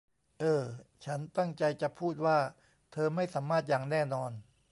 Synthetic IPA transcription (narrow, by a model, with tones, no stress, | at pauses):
ʔɤː˧˩t͡ɕʰa˦˥nt̪a˥˩ŋt͡ɕa˧jt͡ɕa˨˩ʔpʰuː˥˩t̪̚waː˥˩ | t̪ʰɤː˧ma˥˩jsaː˩˦mːaː˥˩t̪̚jaː˨˩ŋnɛː˥˩nɔː˧n